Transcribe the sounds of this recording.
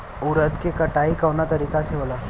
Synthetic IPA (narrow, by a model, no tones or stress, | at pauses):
uɾəd̪kekəʈaikəʋnat̪əɾikaseʋla